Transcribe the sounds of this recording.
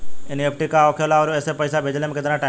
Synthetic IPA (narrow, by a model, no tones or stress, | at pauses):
ɪnepʰʈikaokʰelaʋoɾũeːsepəjsabʱed͡ʑlemket̪ɾãʈa